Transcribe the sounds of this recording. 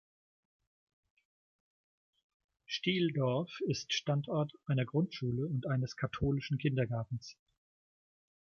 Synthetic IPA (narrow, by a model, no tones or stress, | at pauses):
ʃtiːldɔɐfɪstʃtantʔɔɐtʔaɪnɐɡʁʊntʃuːləʊntʔaɪnəskʰatʰoːlɪʃn̩kʰɪndɐɡaɐtn̩s